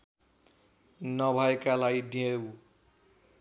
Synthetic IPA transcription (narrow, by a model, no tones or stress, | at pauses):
nʌbʱʌekalajd̪iew